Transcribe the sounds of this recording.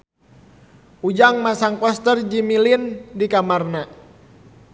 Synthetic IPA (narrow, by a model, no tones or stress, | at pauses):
ud͡ʒaŋmasaŋpɔst̪ərd͡ʒimilindikamarna